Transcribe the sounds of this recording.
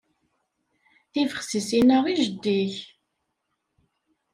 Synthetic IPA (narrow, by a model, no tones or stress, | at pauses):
θivəχsisinəʁiʒəd̪ːiç